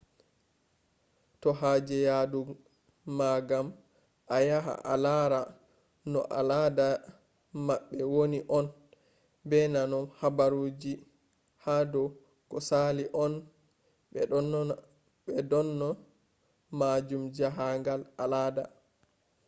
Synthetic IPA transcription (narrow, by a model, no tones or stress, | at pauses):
tɔɦaːd͡ʒɛjadu | maɡam | ʔajaɦa̰ʔalaɾa | nɔ̰ʔa̰lada | maɓːɛwoniʔɔn | bɛnanɔnhabaɾud͡ʒi | hadɔ | kɔsaliʔɔn | bɛ | bɛdɔnːɔ | mad͡ʒumd͡ʒaɦaŋɡalalada